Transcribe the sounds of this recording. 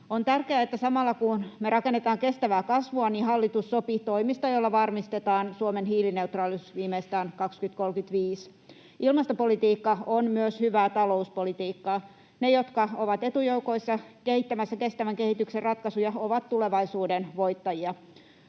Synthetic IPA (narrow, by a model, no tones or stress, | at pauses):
ont̪ærkeæet̪ːæsɑmɑlːɑkunmerɑkenːet̪ɑːŋkest̪æʋæːkɑsʋuɑnihɑlːit̪usːopit̪oimist̪ɑjolːɑʋɑrmist̪et̪ɑːnsuomenɦiːline̞ut̪rɑːlysʋiːmeist̪æːnkɑkskyt̪kolkyt̪ʋiːs | ilmɑst̪opolit̪iːkːɑonmyøshyʋæːt̪ɑlouspolit̪iːkːɑː | nejot̪kɑoʋɑt̪et̪ujoukoisːɑkehit̪ːæmæsːækest̪æʋæŋkehit̪ykserrɑt̪kɑsujɑoʋɑt̪tuleʋɑisuːdenʋoit̪ːɑjiɑ